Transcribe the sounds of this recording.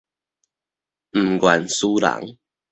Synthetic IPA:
m̩˨˩ɡwa˨˩nsu˦la̰˨˦ŋ

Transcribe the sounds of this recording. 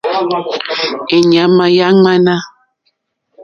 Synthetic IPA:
e˨ɲa˨˦ma˨ja˦ŋ͡ma˦na˦

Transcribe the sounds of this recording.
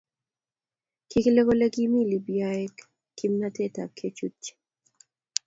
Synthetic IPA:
ki˦kle˦ko˦le˦ɡi˦mi˦li˨bjaɛk | kːimna˦te˦ta̰˨kʰe˦t͡ʃu˦t͡ʃː

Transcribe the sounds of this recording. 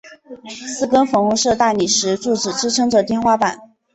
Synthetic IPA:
sɹ̩˥kə˥nfɤ˧˥ŋxʊ˧˥ŋʂɤ˥˧t̪a˥˩ni˨˩ʂɻ̩˧˥ʈ͡ʂu˥˩ʈ͡ʂɻ̩˨˩ʈ͡ʂɻ̩˥ʈ͡ʂʰɤ˥ŋʈ͡ʂɤ˨˩t̪jɛ˥˧nxwa˥pa˨˩˦n

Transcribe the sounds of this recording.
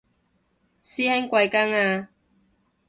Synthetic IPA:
siː˥hɛ˥ŋkʷa˧jka˥ŋaː˧

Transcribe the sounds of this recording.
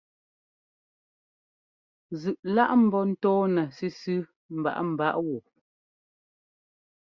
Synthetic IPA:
zɯ˨ʔla˦ʔm̩˨bɔ˦n̩˦tɔː˦nɛ˨si˦sʉ˦ | m̩˨ba̰˨ʔm̩˨ba˦ʔwu˨

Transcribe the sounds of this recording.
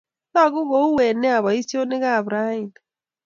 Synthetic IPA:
na˦˨ɣu˦ɣo˦u˦wɛ˨ne˦a˨βa˨i˦sjo˦ne˦ɣaː˦˨βɾa˦i˨n

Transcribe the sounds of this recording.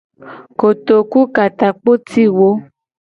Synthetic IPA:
ko˨t̪o˨ku˦ka˨t̪a˨k͡po˦t̪ʰi˦wo˦

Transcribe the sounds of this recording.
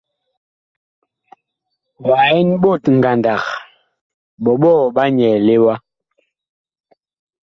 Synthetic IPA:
wa˨ɛ˦nɓo˦˨tŋ̩˨ɡa˨nda˨k | ɓɔ˨ɓɔ˦˨ɓa˦ɲɛ˨le˦wa˦

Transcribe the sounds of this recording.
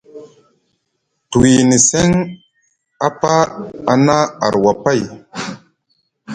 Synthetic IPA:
tu˨wi˨ni˨se˦ŋ | a˦pa˦a˨na˦a̰˨ɾwa˨pa˦˨j

